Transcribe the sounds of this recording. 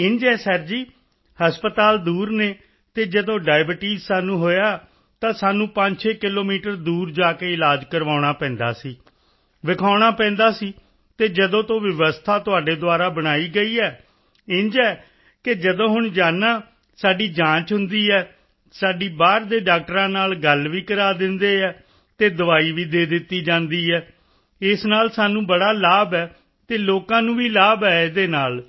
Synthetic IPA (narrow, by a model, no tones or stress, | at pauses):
ɪɲd͡ʒɛːsɛːɾd͡ʒiː | həspət̪aːld̪uːɾneː | t̪eːd͡ʒəd̪õːɖaːɪbəʈiːzsaːnũːɦoːjaː | t̪ãːsaːnũːpə̃ɲd͡ʒʃeːkɪloːmiːʈəɾd̪uːɾd͡ʒaːkeːɪlaːd͡ʒkəɾʋaːʊɽ̃aːpɛ̃ːnd̪a̰ːsiː | ʋɪkʰaːɽ̃aːpɛ̃ːnd̪aːsiː | t̪eːd͡ʒəd̪õːt̪õːʋɪəʋəst̪ʰaːt̪ʊaːɖeːd̪ʊaːɾaːbəɽaːiːɡəiːɛː | ɪ̃ɲd͡ʒɛː | kɪd͡ʒəd̪õːɦʊɳd͡ʒaːnaː | saːɖiːd͡ʒãːt͡ʃɦʊnd̪iːɛː | saːɖiːbaːɾd̪eːɖaːk̚ʈəɾãːnaːlɡəlʋiːkəɾaːd̪ɪnd̪eːɛː | t̪eːd̪əʋaːiːʋiːd̪eːd̪ɪt̪ːiːd͡ʒãːnd̪iːɛː | ɪsnaːlsaːnũːbəɽaːlaːbɛː | t̪eːloːkãːnũːʋiːlaːbɛːd̪eːnaːl